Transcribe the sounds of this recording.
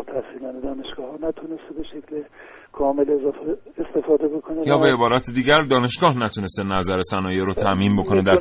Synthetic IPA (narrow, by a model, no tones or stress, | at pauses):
t̪ʰæhsiːlɒːned̪ɒːneʃɡ̥ɒːhɒnæt̪ʰunest̪ebeʃekʰle | kʰɒːmelezfe | est̪e̞fɒːd̪ebokʰonejɒːbeebɒːɾɒːt̪ʰed̪iːɟæɾd̪ɒːne̞ʃɡ̥ɒːhnæt̪ʰune̞st̪enæzæɾesænɒːjeɾot̪ʰæʔmiːmbo̞kʰo̞ne̞d̪æ